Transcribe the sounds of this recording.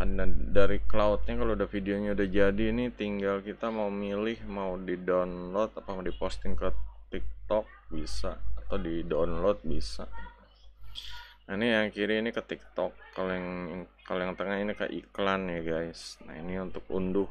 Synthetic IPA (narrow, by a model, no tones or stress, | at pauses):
a̰adaɾiklaut̪̚ɲakaloudahfideoɲaudahd͡ʒadiːnit̪iŋɡalkit̪amaumilɪhmaudidawnlɔt̪̚apamadipɔst̪ɪŋkət̪ik̚t̪ɔk̚bisaːt̪awdidawnlɔt̪̚bisa̰ | nainijaŋkiɾiinikət̪ik̚t̪ɔkːalojŋkalojaŋt̪əŋaɦinikə̰ʔḭklanjaɡajsna̰ḭniunt̪ʊk̚ṵndʊh